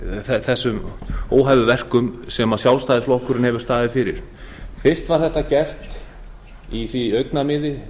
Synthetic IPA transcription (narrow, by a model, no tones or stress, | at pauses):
θɛθɛsːʏmoːwɦajvʏvɛr̥kʏmsɛmasjawlst̪ajðɪsflohkʏɾɪnhɛvʏ̥st̪aːðɪðɪfɪɾɪ̰ɾ̥θɪr̥st̪vaɾ̥θɛht̪ːacɛr̥t̪ | iθviœɥknamɪðɪ